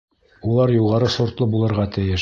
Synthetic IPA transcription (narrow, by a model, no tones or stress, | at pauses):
ulˠɑɾjuʁɑɾɤsŏɾt̪lˠɤbulˠɤ̆ɾʁɑt̪ɘ̆jɘʃ